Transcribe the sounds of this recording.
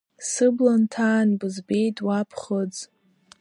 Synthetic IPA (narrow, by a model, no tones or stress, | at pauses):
sɨblantʰaːnbɨzbe̞jtʼwapʰχəd͡z